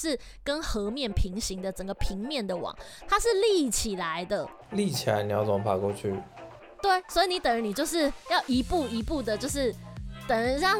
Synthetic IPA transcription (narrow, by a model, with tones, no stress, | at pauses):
ʂɻ̩˥˩ | kə˦nxɤ˧˥˦mjɛ˥˩npʰi˧˥ŋɕi˥˦ŋd̪ə˨ʈ͡ʂə˨˩ŋɡə˦pʰi˧˥ŋmjɛ˥˩nd̪ə˨wɑ̰˨˩˦ŋ | t̪ʰa˥ʂɻ̩˥˧li˥˩t͡ɕʰi˨˩la˨˧˦ɪd̪ə˧ | li˥˨t͡ɕʰi˨˩la̰˨˧˦ni˨˩jɑ˥˩t͡so˨˧˥pʰa˨˩kwɔ˥˧t͡ɕʰy˥˩ | t̪we˥˩ɪswɔ˧˥i˨ni˨˦t̪ə˨˩ŋɻə˧˦ni˨˩t͡ɕjo˥˧ʊʂɻ̩˥˧jɑ˥˩ʊʔi˧˥pu˥˩i˧˥pu˥˩d̪ə˨t͡ɕjo˥˧ʊʂɻ̩˥˩t̪ə˨˩ŋɻə˧˦ɻɑ˥˩